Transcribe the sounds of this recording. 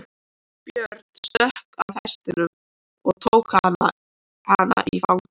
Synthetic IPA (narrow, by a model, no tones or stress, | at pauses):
pjœɾt̪sœhkavθɛst̪ɪnʏm | ɔɣt̪ʰoːwkaanːa | hanːa̰ʔifawŋ